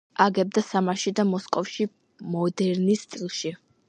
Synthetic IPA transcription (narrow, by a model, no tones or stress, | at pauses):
aɡɛb̚d̪asamaʃid̪amɔskʼɔfʃi | mɔd̪ɛɾnist̪sʼilˠʃi